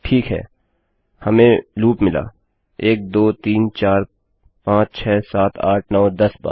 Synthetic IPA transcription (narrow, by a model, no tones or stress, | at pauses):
ʈʰiːkɦɛ̰ː | hɐmẽluːpmɪla̰ː | eːk̚d̪oːt̪iːnt͡ʃaːɾ | pãːt͡ʃt͡ʃʰɛːsaːt̪ʰaːʈʰnɔːd̪ɐsba̰ː